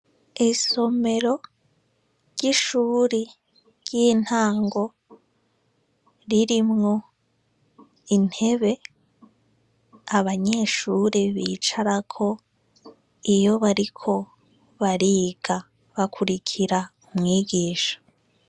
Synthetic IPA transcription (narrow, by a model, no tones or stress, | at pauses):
iso̞me̞ɾo̞ | ɾɟiʃuːɾe | ɾɟiːn̥haːŋɡo̞ | ɾiɾimŋo̞ | in̥he̞βe̞ | aβaɲe̞ːʃuːɾeβiːt͡ʃaɾakʰo̞ | ijo̞βaɾikʰo̞ | βaɾiɡ̥a | βakʰuɾikʰiɾaumŋiːɡiːʃḁ